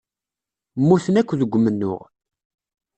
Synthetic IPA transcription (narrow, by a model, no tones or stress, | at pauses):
mːuθənækʷːðəɡʷːmənːʊ̰ʁ